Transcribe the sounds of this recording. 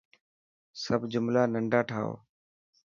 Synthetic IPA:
səbʱd͡ʒʊmlaːnəɳɖaːʈʰa̰ːo̰ː

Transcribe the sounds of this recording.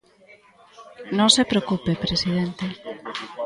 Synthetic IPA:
nõŋsepɾeokupepɾesið̞ent̪e

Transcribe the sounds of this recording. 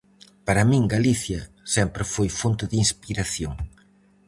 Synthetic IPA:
paɾɐmĩŋɡaliθjɐ | sɛmpɾɪfojfont̪ʊðinspiɾaθjoŋ

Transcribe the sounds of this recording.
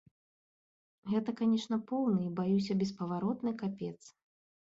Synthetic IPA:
ɣɛt̪ɐkanʲɛʂnɐpɔwnɨibajusʲɐbʲɛspɐvaɾɔt̪nɨjkapʲɛt̪sɨ̥

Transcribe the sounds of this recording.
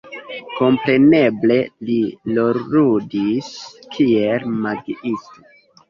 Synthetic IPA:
ko̞mpɾe̞ne̞ble̞lilo̞ɾudiskʰielmaɡiisto

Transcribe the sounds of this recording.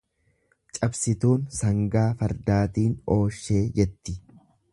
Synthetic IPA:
t͡ʃʼɐbsɪt̪uːnsɐŋɡaːfɐɾd̪aːt̪iːno̞ːʃːe̞ːd͡ʒɛt̪ːɪ

